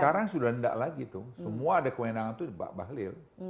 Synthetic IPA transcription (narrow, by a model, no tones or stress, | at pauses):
aɾaŋsudahənda̰ʔlaɡit̪usəmuaːdakəwenaŋant̪udiba̰ʔbaɦlɪl